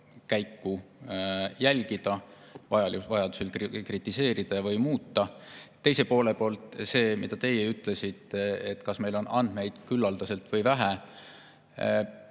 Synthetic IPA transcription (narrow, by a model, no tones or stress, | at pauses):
kæjkːu | jælʲɡid̪̥ɑ | vɑjɑvɑjɑd̪u̥selkkrit̪ːˑise̞ːɾid̪̥ɑjɑvɤjmuːt̪ːɑt̪ːe̞jse̞po̞ːle̞po̞ːlt̪ˑse̞ːmid̪ɑt̪e̞jeyt̪ːˑle̞sit̪et̪ːˑkɑsme̞jlo̞nʔɑ̰nd̪̥me̞jd̪̥kylːɑld̪ɑse̞lt̪ˑvɤjvæɦæ